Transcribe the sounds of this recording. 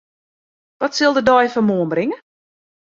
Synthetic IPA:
ʋɔtsɪlˠdədɔjfɔmoənbrɪŋə

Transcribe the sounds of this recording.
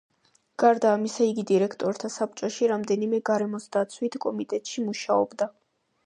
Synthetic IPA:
ɡ̥aɾd̪aːmisaiɡid̪iɾɛkʰt̪ʼɔɾt̪ʰasap̚ʼt͡ʃʼaʃiɾamd̪ɛnimɛɡaɾɛmɔsd̪at̪sʰwit̪ʰkʼɔmit̪ʼɛt̪ʼʃimuʃaɔ̰bd̪a

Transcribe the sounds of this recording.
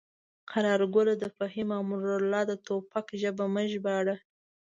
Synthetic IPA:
qʰaɾɑɾɡolad̪əfaɦimɑmuɾalɑd̪ət̪opakʒəbaməʒbɑɽa

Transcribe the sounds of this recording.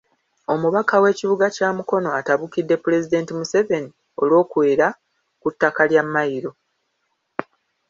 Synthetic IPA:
o̞muβakawe̞ːciβuɡacaːmuko̞no̞ataβukidːe̞puɾe̞zide̞ːntimuse̞ve̞ni | o̞lwo̞ːkweːɾa | kutːakaljamːaiɾo̞

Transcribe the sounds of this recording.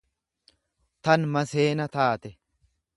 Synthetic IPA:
t̪ɐnmɐse̞ːnɐt̪aːt̪ɛ

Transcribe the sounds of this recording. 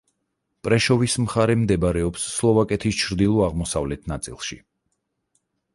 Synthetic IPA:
pʼɾɛʃɔvismχaɾɛmd̪ɛbaɾɛɔpsːlˠɔvakʼɛt̪ʰist͡ʃʰɾd̪ilˠɔaʁmɔsavlɛt̪ʰnat̪sʼḭlˠʃi

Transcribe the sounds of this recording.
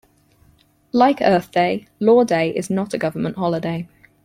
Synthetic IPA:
laɪkɜˑθd̥eɪ | lɔːdeɪʔɪ̰znətʰəɡʌvəmə̃nʔhɒlɪdeɪ

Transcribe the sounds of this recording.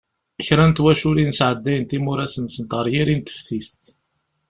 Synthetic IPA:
əçɾænt̪wæʃʊɾinsʕəd̪ːæjənt̪imʊɾæsənsənt̪ʁəɾˤjiɾint̪ə̥fθist̪

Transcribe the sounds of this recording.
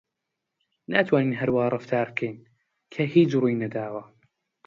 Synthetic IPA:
naːt̪waniːiɦaɾwɑːɾˤɑft̪ʰaːɾˤkʰeːn | kʰahiːd͡ʒʊɾinad̪aːwa

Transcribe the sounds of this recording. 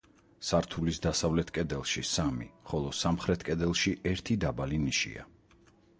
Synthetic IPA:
saɾt̪ʰulisd̪asavlɛt̪ʰkʼɛd̪ɛlˠʃisamḭχɔlˠɔsamχɾɛt̪ʰkʼɛd̪ɛlˠʃiʔɛɾt̪ʰid̪abaliniʃḭa̰

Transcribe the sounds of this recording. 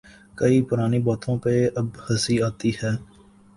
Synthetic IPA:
kɐipʊɾaːnibaːt̪ʰõpeɐbhɐsiaːt̪ihɛː

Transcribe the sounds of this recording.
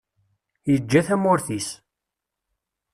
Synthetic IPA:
jəd͡ʒːæθæmʊɾθis

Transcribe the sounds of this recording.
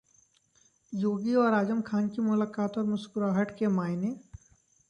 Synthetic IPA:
joːɡiɔːɾaːd͡ʒəmkʰaːnkimʊlaːkaːt̪ɔːɾmʊskʊɾaːɦəʈkemaːɪneː

